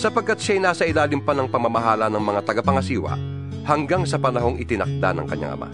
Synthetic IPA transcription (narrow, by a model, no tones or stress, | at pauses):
sɐpɐɡ̚kːat̪̚ʃajnaːsɐɪlaːlɪŋpɐnɐŋpɐmɐmɐɦaːlɐnɐŋmɐŋat̪ɐɡapɐŋɐsiːwɐ̰ | hɐŋɡaŋsɐpɐnɐɦo̞ŋɪt̪ɪnɐk̚d̪a̰nɐ̰ŋkɐ̰ɲːa̰ŋɐ̰ma̰